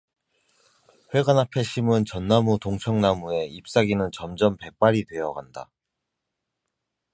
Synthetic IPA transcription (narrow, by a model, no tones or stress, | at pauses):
ɸwe̞ɡanapʰe̞ɕʰimɯnt͡ɕʌnːamutoŋt͡ɕʰʌŋnamue̞ip̚s͈aɡinɯnt͡ɕʌmd͡ʑʌmpe̞p͈aɾidwe̞jʌɡanda̰